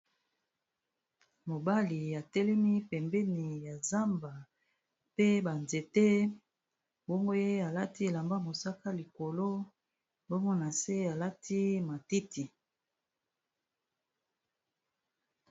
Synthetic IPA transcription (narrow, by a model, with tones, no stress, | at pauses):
mo˨ba˦li˨ja˨tɛ˦lɛ˦mi˦pɛ˨mbɛ˦ni˨ja˨za˦mba˨ | pe˦ba˨nze˨te˦ | bɔ˦ŋɡo˦je˦a˨la˦ti˦e˨la˨mba˦mo˨sa˦ka˦li˨ko˨lo˦ | bo˦ŋɡo˦na˨se˦a˨la˦tʰi˦ma˨ti˦ti˨